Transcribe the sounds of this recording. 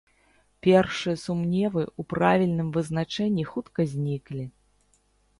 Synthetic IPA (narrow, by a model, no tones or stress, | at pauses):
pʲɛrʂɨjɐsumnʲɛvɨupɾavʲilʲnɨmvɨznat͡ʂɛnʲːixut̪kɐzʲnʲiklʲi